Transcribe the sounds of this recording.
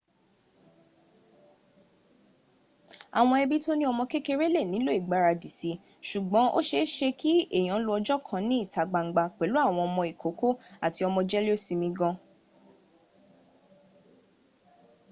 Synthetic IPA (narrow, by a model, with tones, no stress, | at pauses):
a̰˨w̃ɔ̃˧ɛ˧bi˦to˦nĩ˦ɔ˧mɔ̃˧ke˦ke˧ɾe˦le˦˨nĩ˨˦lo˦i˦˨ɡ͡ba˨˦˨ɾa˧di˨si˧˦ | ʃu˨ɡ͡bɔ̃˨˦ʔo̰˦ʃe˧˦ʃe˧ki˦e˦˨j̃ã˨˦lo˧˦ɔ˧d͡ʒɔ˦kʰã˧nĩ˨˦i˦˨ta˨ɡ͡ba˧ŋ̩˦ɡ͡ba˧k͡pɛ˨˦lu˦a˦˨w̃ɔ̃˧ɔ˧mɔ̃˧i˨ko˨˦ko˦a˨ti˧ɔ˧mɔ̃˧d͡ʒɛ˦li˦o˦si˧mĩ˧ɡɔ̃˧